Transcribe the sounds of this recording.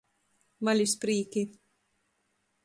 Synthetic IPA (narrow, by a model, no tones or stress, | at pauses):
malʲispɾiːkʲi